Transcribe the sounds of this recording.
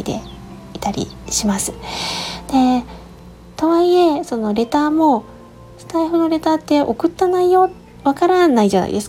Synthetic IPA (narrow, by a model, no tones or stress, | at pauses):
id̪e̞̰ | it̪aɾʲḭɕimasɨ̥ | d̪̥e̞ | t̪oβaie̞so̞no̞ɾe̞t̪aːmo̞ | sɨ̥t̪aiɸɯ̟no̞ɾe̞t̪aːt̪ːe̞ʔokɯ̟t̪ːanaijo̞ | βakaɾanaid͡ʑana̰ḭd̪e̞sɨ̥